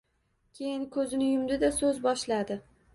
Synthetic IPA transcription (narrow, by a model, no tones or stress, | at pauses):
kʲʰe̞jɪnkʰɵzɪnɪjʊmd̪ɪd̪asɵzbɒʃlad̪ɪ